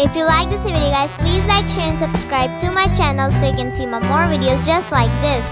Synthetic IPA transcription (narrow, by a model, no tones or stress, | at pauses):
ɪfjulaɪk̚d̪əsɪʋiɾioɡaɪz̥pliːzlaɪkʃɛ̃nsəb̥skɹaɪb̚tʰumaɪt͡ʃænəl̩ˠsojkɛ̃nsiːmãmɔɹvɪɖiozd͡ʒʌstlaɪk̚d̪ɪs